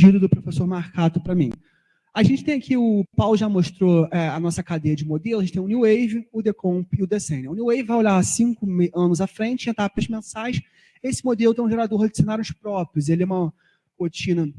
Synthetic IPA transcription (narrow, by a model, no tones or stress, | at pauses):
d͡ʒid̪ʊd̪ʊpɾofesoɾmaɾkat̪ʊpɾɐmḭ̃ | aʒẽnt͡ʃɪt̪ẽakʰiʊpawlʊʒamoʃt̪ɾoɛɐnɔsɐkad̪ejɐd͡ʒɪmod̪elˠʊʒẽt͡ʃt̪ẽj̃ʊ̃niwejvĩʊd̪ekõpɪʊd̪esẽnɪ̃ʊniwejvɪvajolaɾsĩŋkʊmeɐ̃nʊzafɾẽnt͡ʃɪẽt̪appɐzmẽsajs | esɪmod̪elʊt̪ẽʒeɾad̪oɾd͡ʒɪsenaɾjʊspɾɔpɾiʊzelɪɛũmɐ | hot͡ʃĩnɐ